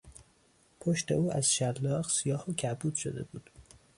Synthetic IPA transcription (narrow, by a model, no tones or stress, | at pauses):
pʰoʃt̪e̞̰uːæz̥ʃælːɒːɢsijɒːhocʰæbuːd̪̥ʃo̞d̪e̞̰buːd̪̥